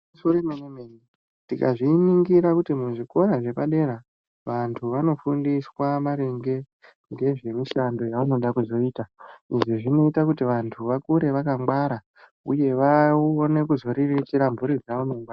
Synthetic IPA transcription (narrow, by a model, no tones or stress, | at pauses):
usoremenemeni | tika̰ʐiːniŋɡiɾakutimuʐiko̞ɾaʐe̞paɗe̞ɾa | ʋantʰuʋano̞fundiswaʋaɾe̞ŋɡe̞ | ŋɡe̞ʐe̞miʃando̞jaʋuno̞ɗakuzo̞iːtaiʐiʐino̞itakutiʋantʰuʋakuɾe̞ʋakambwaɾa | uje̞ʋaone̞kuzo̞ɾirit͡ʃiɾambuɾid͡zaunoŋɡa